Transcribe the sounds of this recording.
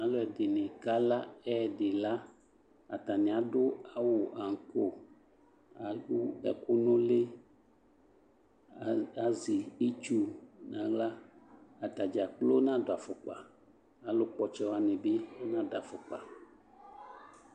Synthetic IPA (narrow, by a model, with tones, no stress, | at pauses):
nã˦lo˦ɛ˨de˨nẽ˨ka˦la˦ɛ˦˨ɖe˨la˦ | a̰˨t̪a˨nẽ˨a˨ɖʊ˦a˨wo˨ʔa˨ŋ˨ko˦ | a˨u˦ɛ̰˨ko˦nõ˦le˦ | a˨zi˨i˦t͡ʃu˦nã˨˦ɡ͡bla˦a˨t̪a˨d͡ʒa˨k͡plo˦nã˦do˨a˨fo˨k͡pa˨ | a˨lo˦k͡pɔ˦t͡ʃɛ˦wa˨nẽ˨be˦o˦nã˦da˨fo˨k͡pa̰˨